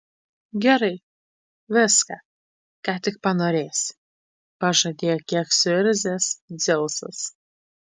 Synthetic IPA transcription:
ɡʲɛɾɐɪ | ʋʲɪskɑ | kɑːt̪ʲɪk̚pɐnoːɾʲeːsʲ | pɐʒɐd̪ʲeːjɛkʲiɛksʲʊɪɾʲzʲesd̪zʲɪlˠsɐ̰s

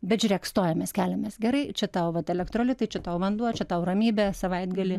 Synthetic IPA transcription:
bʲɛt̪ʒʲʊɾʲeːkst̪oːjɛmʲɛskʲæːlʲɛmʲeːsɡʲɛɾɐɪt͡ʃʲɛt̪ɐʊʋɐt̪ɛlʲɛkt̪ɾoːlʲɪt̪ɐɪt͡ʃʲɛt̪ɐʊʋɐnd̪uɔt͡ʃʲɛt̪ɐʊrɐmʲiːbʲɛːsɐʋɐɪd̪ɡɐlʲɪ

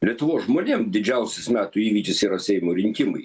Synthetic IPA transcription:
lʲiɛt̪ʊʋoːsʒmoːnʲeːmd̪ʲɪd͡ʒʲɛʊsʲɪsmʲæːt̪ʊːiːʋʲiːkʲɪsiːɾɐsʲɛɪmoːɾʲɪŋʲkʲɪmɐɪ

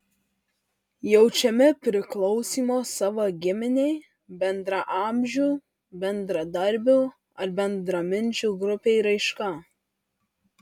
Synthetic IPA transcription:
jɛʊt͡ʃʲɛmʲɪpʲɾʲɪklˠɒʊsʲiːmoːsɑːʋɐɡʲɪmʲɪnʲɛɪ | bʲɛnd̪ɾɐʔɑːmʲʒʲuː | bʲɛnd̪ɾɐd̪ɐɾʲbʲu | ɐɾbʲɛnd̪ɾɐmʲɪnʲd͡ʒʲuːˑɡɾʊpʲeɪɾɐɪʃkɐ

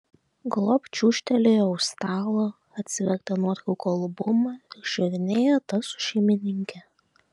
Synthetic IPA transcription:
ɡlˠoːpʲt͡ʃʲuːʃʲt̪ʲɛlʲejʊst̪ɑːlˠo | ɐt̪ʲsʲɪʋʲɛkt̪ɐnuɔɾkʲukɐlˠbʊmɑɪɾʃʲɛɾʲɪnʲeːjɛt̪ɐsʊ̥ʃʲɛɪmʲɪnʲɪŋʲkʲɛ

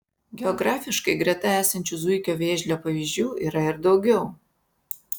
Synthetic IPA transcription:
ɡʲɛɔɡɾɑːfʲɪʃkɐɪɡɾʲɛt̪ɐæːsɐnʲt͡ʃʲʊzʊɪkʲoːʋʲeːʒʲlʲoːpɐʋʲizʲd͡ʒʲuːiːɾɐɪɾd̪ɒʊɡʲɛʊ

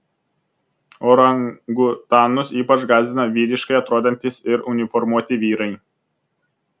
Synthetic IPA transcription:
oːɾɐŋɡʊt̪ɑːnʊsiːpɐt͡ʃɡɑːzʲd̪ʲɪnɐʋʲiːɾʲɪʃkɐɪɐt̪ɾoːd̪ʲɛnʲt̪ʲɪsɪɾʊnʲɪfɔɾmuɔt̪ʲɪʋʲiːɾɐɪ

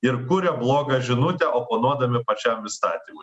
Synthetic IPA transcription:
ɪɾkʊɾʲɛblˠoːɡɐʒʲɪnʊt̪ʲɛʔoːponuɔd̪ɐmʲɪpɐt͡ʃʲɛmɪst̪ɑːt̪ʲimʊj

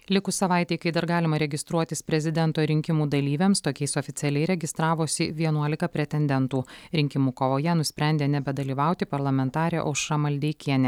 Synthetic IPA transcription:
lʲɪkʊsɐʋɑˑɪt̪ʲɛɪkɐɪd̪ɐɾɡɑːlʲɪmɐɾʲɛɡʲɪst̪ɾuɔt̪ʲɪspʲɾʲɛzʲɪd̪ʲɛnt̪oːɾʲɪŋʲkʲɪmuːd̪ɐlʲiːʋʲɛmst̪oːkʲɛɪsɔfʲɪt̪sʲɛlʲɛɪɾʲɛɡʲɪst̪ɾɑːʋoːsʲɪʋʲiɛnuɔlʲɪkɐpʲɾʲɛt̪ʲɛnʲd̪ʲɛnt̪uːɾʲɪŋʲkʲɪmuːkoʋoːjɛnʊsʲpʲɾʲæˑnʲd̪ʲeːnʲɛbʲɛd̪ɐlʲiːʋɑˑʊt̪ʲɪpɐɾlˠɐmʲɛnt̪ɑːɾʲeːʔo̰ʃʃɐmɐlʲd̪ʲɛɪkʲiɛnʲɛ

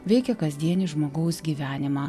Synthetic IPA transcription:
ʋʲɛɪkʲɛkɐzʲd̪ʲiɛnʲiʒmoːɡɐʊsɡʲiːʋʲæːnʲɪmɑː

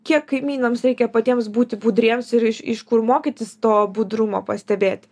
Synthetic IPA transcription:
kʲiɛkːɐɪmʲiːnoːmsɾʲɛɪkʲɛpɐt̪ʲiɛmsbuːt̪ʲɪbuːd̪ɾʲiɛmsɪɾɪʃɪʃkʊɾmoːkʲit̪ʲɪst̪oːbud̪ɾʊmoːpɐsʲt̪ʲɛbʲeːt̪ʲ

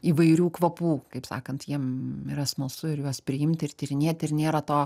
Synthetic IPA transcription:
iːʋɐɪɾʲuːkʋɐpuːkɐɪpsɑ̰ːkɐnt̪jiɛmɪɾɐsmoːsʊɪɾjoɔspʲɾʲɪɪmʲt̪ʲɪrt̪ʲɪɾʲɪnʲeɛt̪ʲɪrnʲeːɾɐt̪oː

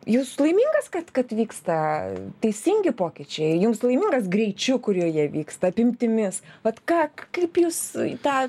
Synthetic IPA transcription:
juːslˠɐɪmʲiːŋɡɐskɐt̪kɐt̪ʋʲiːkst̪ɐt̪ʲɛɪsʲiŋʲɡʲɪpoːkʲɪt͡ʃʲɛɪjʊmslˠɐɪmʲiːŋɡɐs̬ɡɾʲɛɪt͡ʃʲʊkʊɾʲjujiɛʋʲiːkst̪ɐɐpʲɪmʲt̪ʲɪmʲɪsʋɐt̪kɑːkɐɪpjuːst̪ɑː

